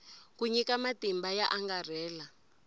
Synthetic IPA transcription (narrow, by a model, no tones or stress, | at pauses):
kuɲikamatimbajaʔaŋɡar̤ɛːla